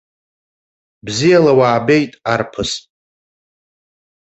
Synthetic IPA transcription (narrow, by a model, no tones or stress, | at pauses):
bzijalawaːbejtʼarpʰɨs